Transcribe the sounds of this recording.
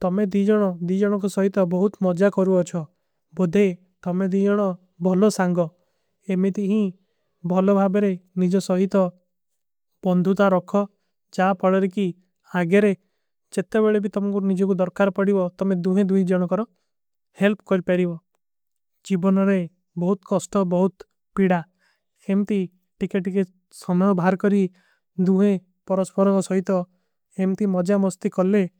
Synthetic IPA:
t̪ɔmed̪id͡ʒɔɽ̃ɔd̪id͡ʒɔɽ̃ɔŋk̬usɔɦit̪ɔbɔɦut̪mɔd͡ʒakɔɾuɔt͡ʃʰɔ | bod̪ʱe | t̪ɔmed̪id͡ʒɔɽ̃ɔ | bʱɔlɔsaŋɡɔ | emet̪iɦĩ | bʱɔlɔbʱabeɾenid͡ʒɔsɔɦit̪ɔ | b̥ɔnd̪ʱut̪aɾɔkʰɔ | d͡ʒapʰɔɭɔɾeki | aɡeɾe | d͡ʒet̪ebeɭebit̪ɔmɔŋkuɾɔnid͡ʒɔk̬ud̪ɔɾkaɾpɔɽibɔt̪ɔmed̪uɦẽd̪ujd͡ʒɔɽ̃ɔkɔɾɔ | helpkɔɾipaɾibɔ | d͡ʒibɔnɔɾe | bɔɦut̪kɔsʈɔbɔɦut̪ | piɽa | hemt̪i | ʈikeʈike | sɔmɔbʱaɾkɔɾi | d̪uɦẽ | pɔɾɔspɔɾɔkɔsɔɦit̪ɔ | emt̪imɔd͡ʒamɔst̪ikɔle

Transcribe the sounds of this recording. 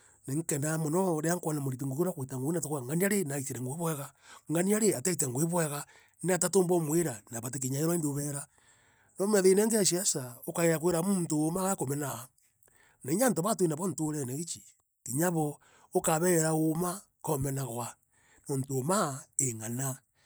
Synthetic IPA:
neŋkendamonoɾeaŋkwanamoɾit̬iŋɡokoɾakwetaŋɡonatokoaŋɡaniaɾenaisiɾeŋɡoeβweɣaŋɡaniaɾeatait̬eŋɡoeβweɣa | natatoːmbomweɾanaβat̬ek̬eɲaeɾwaindoβeɾa | nomeðeineŋɡeaʃiasaokaɣeɾak̬weɾamuntomaɣakomena | naiɲantoβatweinaβon̩toɾeneɣit͡ʃi | kiɲaβɔ | okaβeɾaoma | komenaɣwa | nontoːmaeŋana

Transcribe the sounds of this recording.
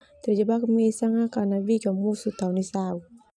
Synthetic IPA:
t̪ɛrd͡ʒabakmɛsaŋakanabikamusut̪aunisau

